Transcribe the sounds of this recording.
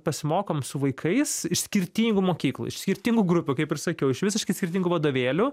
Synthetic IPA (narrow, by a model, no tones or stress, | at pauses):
pɐsʲɪmoːkoːmsʊʋɐɪkʰɐɪsɪʃsʲkʲɪɾʲt̪ʲiːŋɡʊmoːkʲiːklˠṵɪ̰ʃsʲkʲɪɾʲt̪ʲiːŋɡuɡɾʊpʲʊkɐɪpɪrsɐkʲɛʊɪʃʋʲɪsɪʃkɐɪsʲkʲɪɾʲrt̪ʲiːŋɡʊʋɐd̪oːʋʲeːlʲʊ